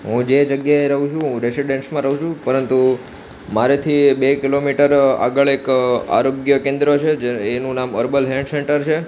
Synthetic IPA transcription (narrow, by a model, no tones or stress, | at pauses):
ɦũd͡ʒed͡ʒəɡjaeɾəɦũt͡ʃʰũɦũɾesiɖeɳʈsmãɾəɦũt͡ʃʰũpəɾənt̪u | maɾet̪ʰibekilomiʈəɾa̰ɡəɭeka̰ɾoɡjəkẽnd̪ɾot͡ʃʰed͡ʒeenũnaməɾbəlɦeɖseɳʈəɾt͡ʃʰe